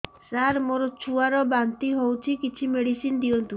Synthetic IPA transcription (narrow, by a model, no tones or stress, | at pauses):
saɾmoɾɔt͡ʃʰuaɾɔbant̪iɦowt͡ʃʰikit͡ʃʰimeɽisind̪iɔnt̪u